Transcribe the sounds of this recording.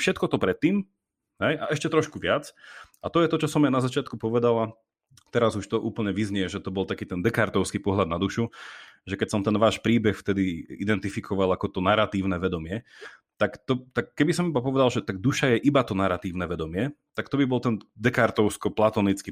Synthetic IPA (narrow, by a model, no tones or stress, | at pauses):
fʃɛt̪kɔt̪ɔpɾɛt̪ːiːm | ɦɛjʔaʔɛʃcɛt̪ɾɔʃkuʋɪat͡sat̪ɔjɛt̪ɔt͡ʃɔsɔmajnazat͡ʃɪat̪kupɔʋɛd̪ala | t̪ɛɾazuʃt̪ɔʔuːpl̩ɲɛʋizɲɪɛʒɛt̪ɔbɔlt̪akiːt̪ɛnd̪ɛkaɾt̪ɔʊskipɔɦʎad̪nad̪uʃuʒɛkɛcsɔmt̪ɛnʋaːʃpɾiːbɛxft̪ɛd̪iḭd̪ɛnt̪ifikʰɔʋalakɔt̪ɔnaɾat̪iːʊnɛʋɛd̪ɔmɪɛ | t̪akt̪ɔt̪akːɛbisɔmibapɔʋɛd̪alʒɛt̪aɡ̚d̪uʃajɛʔibat̪ɔnaɾat̪iːʊnɛʋɛd̪ɔmɪɛt̪akt̪ɔbibɔlt̪ɛnd̪ɛkaɾt̪ɔʊskɔplat̪ɔːnit͡ski